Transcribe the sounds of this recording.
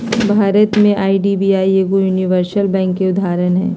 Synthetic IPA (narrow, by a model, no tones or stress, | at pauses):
bʱaːɾət̪mẽʔaːiɖiːbiːaːieːɡojuːniʋəɾsəlbɛ̃ːŋkːeʊd̪ʱaːɾənɦɛ̰̃ː